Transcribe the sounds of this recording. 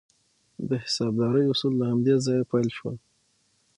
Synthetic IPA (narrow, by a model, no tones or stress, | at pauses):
d̪əhɪ̥sɑb̚d̪ɑɾəjʊsulːahamd̪ezɑjapajlʃwə̰l